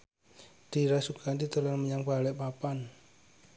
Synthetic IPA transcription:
d̪̥i̤ɾasukʰandit̪əlanməɲaŋpalɛʔpapan

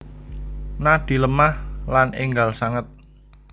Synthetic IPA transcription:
nad̪̥i̤ləmahlanʔɪŋɡalsaŋət̪̚

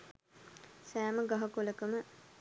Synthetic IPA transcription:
sæːməɡɐɦɐkoləkəmə

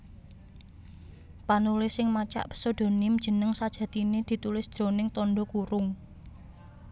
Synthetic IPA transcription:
panulɪsɪŋmat͡ʃa̰ʔpə̥sod̪̥o̤nɪmd̥ʒ̥ə̤nəŋsad̥ʒ̥ä̤t̪ined̪̥i̤t̪ulɪsd̪̥ɾo̤nɪŋt̪ɔɳɖɔkuɾʊŋ

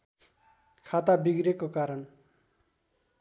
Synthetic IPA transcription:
kʰat̪abiɡɾekokaɾʌn

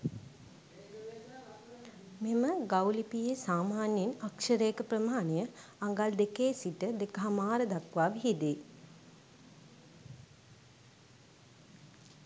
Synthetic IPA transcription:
meməɡawlipijesaːmaːnjinakʂəɾeːkəpɾəmaːnəjəaŋɡald̪ekeːsiʈəd̪ekəɦamaːɾəd̪akʋaːʋiɦid̪i

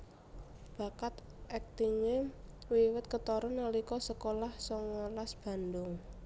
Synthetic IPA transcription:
b̥a̤kat̪ | ʔɛk̚t̪iŋewiwɪt̪̚kət̪ɔɾʊnalikɔsəkolahsɔŋːalasb̥a̤nd̪ʊŋ

